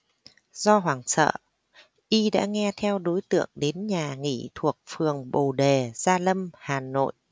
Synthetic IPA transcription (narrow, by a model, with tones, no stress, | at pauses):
zɔ˧ɦwaː˨˩ŋsə̰ː˧˨ | ʔi˧ɗa̰ː˧˥ŋɛ˧t̪ʰɛ˧wɗo˨˦jt̪ɨ̰˧˨əŋɗe˨˦nɲaː˨˩ŋḭ˧˩t̪ʰu˨˩ək̚fɨ˨˩əŋɓo˨˩ɗe˨˩z̥aː˧lə˧mhaː˨˩no̰˧˨jʔ